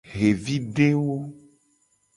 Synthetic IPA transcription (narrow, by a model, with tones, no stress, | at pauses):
ɣe˨vi˦ɖe˦wo˦